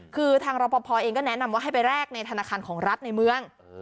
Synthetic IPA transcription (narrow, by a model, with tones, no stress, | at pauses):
kʰɯː˧t̪ʰaː˧ŋɾɔː˧˩pɔː˧pʰɔː˧ʔeː˧ŋkɔː˥˩nɛ˦˥na˧mwaː˥˩ɦa˥˩pa˧jɾɛː˥˩k̚na˧jt̪ʰa˧naː˧kʰaː˧nkʰɔː˩˦ŋɾa˦˥t̪̚na˧jmɯ˧əŋ